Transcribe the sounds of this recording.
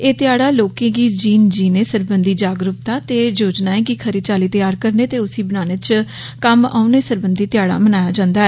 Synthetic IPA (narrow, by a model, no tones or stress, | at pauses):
eːt̪ɪjaːɽaːloːkẽːɡiːd͡ʒiːnd͡ʒiːneːsəɾbənd̪iːd͡ʒaːɡɾʊp̚t̪aːt̪eːd͡ʒoːd͡ʒnaːẽːkɪkʰəɾit͡ʃaːliːt̪əjaːɾkəɾneːt̪eːʊsiːbənaːneːt͡ʃ | kəma̰ːʊneːsəɾbənd̪iːt̪ɪjaːɽa̰ːmənaːjaːd͡ʒãːnd̪aːɛː